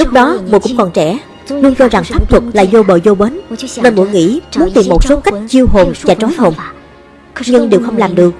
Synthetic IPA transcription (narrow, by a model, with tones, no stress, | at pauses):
t͡ɕɨ˦˥k̚ɗɔ˨˦mṵ˨kʊ̰˧˥ŋ͡mkɔ˨˩nt͡ɕɛ˧˩˥ | lu˧ənt͡ɕɔ˧za˨˩ŋfaː˦˥p̚t̪ʰwə˨˩t̚la̰ː˧˨jzo˧ɓəː˨˩jzo˧ɓeː˨˦nnə˧˩nmṵ˧˩əŋḭ˧˥mu˨˦nt̪i˨˩mːo˨˩t̚so˨˦ka˦˥jk̟̚t͡ɕi˧wɦo˨˩nvaː˨˩t͡ɕɔ˨˦jɦo˨˩n | ɲɨ˧ŋɗi˨˩wxə˧wŋ͡mlaː˨˩mɗɨ˨˩ək̚